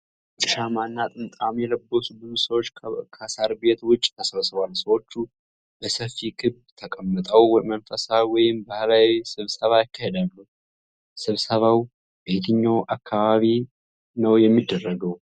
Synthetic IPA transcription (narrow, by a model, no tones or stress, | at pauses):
t̪ʼɨʃamanːat̪ʼɨnt̪ʼamjɛləbːosubɨzusəwot͡ʃːkʰasaɾbe̞t̪wʊt͡ʃʼːt̪ʰəsβəsɨβwalsəwo̞t͡ʃːu | b̥əsəfːikʰɨb | t̪ʰəkʼəmːət̪ʼəwmənfəsawɔjɪmbahlawisɨβsəβajɪkːahed̪alːuw | sɨβsəβaw | b̥e̞t̪ʰɨɲːawʔakʰːaβaβi | nəwjɛmːid̪ːərːəɡəw